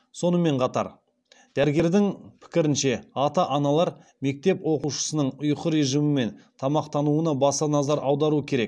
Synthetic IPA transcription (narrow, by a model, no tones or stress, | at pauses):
so̞n̪əme̞ɴqʰɑt̪ɑ̰ɾ | d̪̥æɾɡʲe̞ɾd̪ɪŋpʰɪ̥kʲɪɾɪnʃe̞ɑt̪ɑʔɑnɑlˠɑɾme̞k̚t̪e̞pwo̞quʃə̥sənəɴʊjqəɾe̞ʒimɪme̞nt̪ʰɑmɑqt̪ɑnuənɑbɑsɑnɑzɑɾɑwd̪ɑɾuəkʲʰe̞ɾe̞k̚